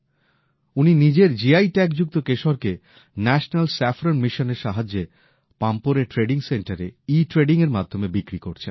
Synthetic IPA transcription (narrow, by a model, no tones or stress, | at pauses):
uninid͡ʑeɾd͡ʑiajʈɛkd͡ʑuk̚t̪okeʃoɾke | nɛʃnalsɛfɾonmiʃoneɾʃaɦad͡ʑːe | pampoɾeʈɾeɖiŋseɳʈaɾeiʈɾeɖiŋeɾmad̪ʱːomebikɾikoɾt͡ɕʰen